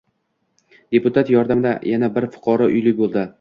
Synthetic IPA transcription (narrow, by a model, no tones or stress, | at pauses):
d̪̥e̞pʊt̪ʰat̪jɒɾd̪amd̪a̰jʔanabɪɾfʊ̥qʰɒɾɒʔʊjlɪk̚ʲbolˠd̪ɪ